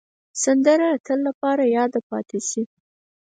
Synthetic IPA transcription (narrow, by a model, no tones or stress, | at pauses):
sand̪əɾat̪ʰəlːapɑɾajɑd̪apɑ̰t̪eʃi